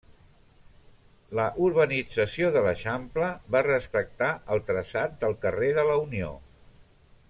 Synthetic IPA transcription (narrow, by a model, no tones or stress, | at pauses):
ləʔuɾβənid͡zəsioðələʃampləβarəspək̚t̪aʔəlˠt̪ɾəsat̪̚d̪əlˠkəreðələunio̰